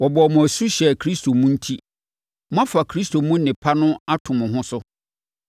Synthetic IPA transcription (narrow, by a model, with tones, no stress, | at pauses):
wɔ˨bɔ˨mʊ̃˨æ˨su˦ɕɛ˨kʰɾi˦stʰo˨mũ˦n̩˦tʰi˦ | mʊ̃˦ã˦fa˨kʰɾi˦stʰo˨mũ˦n˦nɪ̃˨pʰa˦nʊ̃˦a˦tʰʊ̃˨mʊ̃˨ɦʊ̃˦sʊ˦